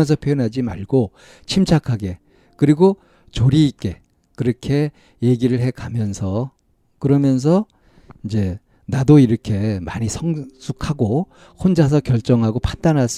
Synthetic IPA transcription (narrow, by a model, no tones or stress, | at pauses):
ʌns̬ʰʌpʰjojonɦad͡ʑimaɭɡo | t͡ɕʰimt͡ɕʰakʰaɡe̞ | kɯɾiɡo | t͡ɕoɾiːk͈e̞ | kɯɾʌkʰe̞ | je̞ɡiɾɯɭɦe̞kamjʌnsʰʌ | kɯɾʌmjʌns̬ʰʌ | ind͡ʑe̞ | nadoiɾʌkʰe̞ma̰ɲisʰʌŋsʰukʰaɡo | hond͡ʑas̬ʰʌkjʌɭt͡ɕ͈ʌŋɦaɡopʰandanɦas͈